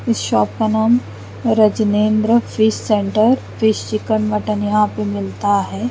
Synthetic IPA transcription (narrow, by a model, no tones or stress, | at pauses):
ɪsʃɔːp̚kanaːm | ɾɐd͡ʒnẽːnd̪ɾəfʰɪʃsẽːɳʈəɾ | fɪʃt͡ʃɪkənʋɐʈənjɐɦãpemɪlt̪aɦɛː